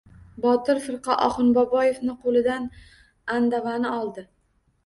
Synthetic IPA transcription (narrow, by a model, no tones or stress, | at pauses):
bɒt̪ɪɾfɪɾqɒʔɒχɨnbɒbɒje̞fnɪqʰolˠɪd̪an | and̪avanɪɒlˠd̪ɪ